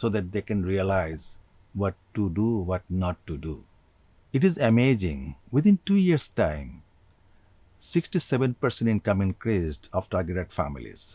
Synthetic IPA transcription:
soːd̪æʈ̚d̪eːkɛ̃nɾiəlaɪz | wɔʈːuɖuʋɔʈnɔʈːuɖṵ | ɪʈizemed͡ʒḭ̃ŋʋɪd̪ɪ̃nʈuːjiəɾsʈãɪ̃m | sɪksʈiseʋẽnpəɾsẽnɪ̃nkʌ̃mɪ̃nkɾisɖɔfʈaːɾɡeʈeɖfæ̰mḭlḭz̥

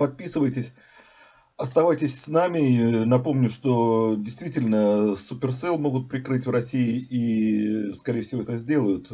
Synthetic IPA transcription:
pɐt̪̚pʲisɨvəjtʲɪsʲ | ɐst̪ɐvajtʲɪsʲsnamʲɪnɐpo̞mnʲʊʂt̪o̞dʲɪjst̪vʲitʲɪlʲnəsʊpʲɪrsɛlˠmo̞ɡʊt̪̚pɾʲɪkɾɨtʲvrɐsʲiɪʔi | skɐɾʲejəfsʲɪvo̞ɛt̪əzʲdʲe̞lˠəjʊt̪

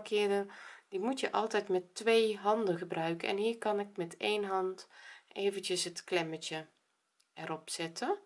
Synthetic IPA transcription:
kʰɪːdədimutjəʔɑlˠtɛjtmɛtːʋejɦɑndəɣəbrœɥkəʔɛ̰nɦiːɹkɑnɪk̚mɛtejnɦɑntʔeːvəntəsɦətklɛmətə | ɛrɔpsɪtə

